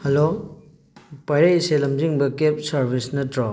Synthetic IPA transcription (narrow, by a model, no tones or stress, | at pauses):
helo | pɐjɾejselɐmziŋbɐkep̚sɐɾbʱisnɐtɾo